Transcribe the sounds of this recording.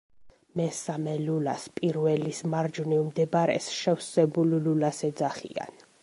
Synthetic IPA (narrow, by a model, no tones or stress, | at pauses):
mɛsamɛlula̰spʼiɾvɛlismaɾd͡ʒnivmd̪ɛbɾɛ̰sʃɛwsɛbullulasɛd̪zaχḭa̰n